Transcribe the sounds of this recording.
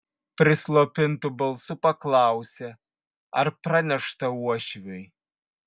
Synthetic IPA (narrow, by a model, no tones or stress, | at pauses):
pɾʲɪslˠopʲɪnt̪ubɐlˠsupɐklˠɑːwsʲɛ | ɐ̰rpranʲɛʂt̪ɐuɔʃvʲɛj